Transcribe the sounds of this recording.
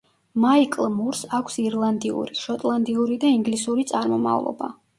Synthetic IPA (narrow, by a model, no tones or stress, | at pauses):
maikʼlˠmuɾsakʷʰsiɾlˠand̪iṵɾiʃɔt̪ʼlˠand̪iuɾid̪aiŋɡlisuɾit̪sʼaɾmɔma̰vlˠɔ̰ba̰